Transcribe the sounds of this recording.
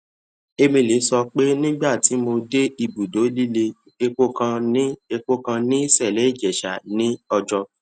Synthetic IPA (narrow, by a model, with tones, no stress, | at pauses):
e˧mĩ˧le˨˦sɔ˧k͡pe˦nĩ˦ɡ͡ba˦˨ti˨˦mo˧de˦i˦˧˨bu˨do˨˦li˦le˧ | e˧k͡po˦kã˧nĩ˦e˧k͡po˦kã˧nĩ˦sɛ˦˨lɛ˨˦i˦˨d͡ʒɛ˨ʃa˨nĩ˨˦ɔ˧d͡ʒɔ˧